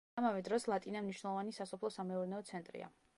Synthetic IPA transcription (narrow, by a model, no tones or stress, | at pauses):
amavɛd̪ɾɔslˠat̪ʼinamniʃnɛlˠɔvanisasɔpʰlˠɔsamɛɔɾnɛɔt̪sʰɛnt̪ʼɾḭa̰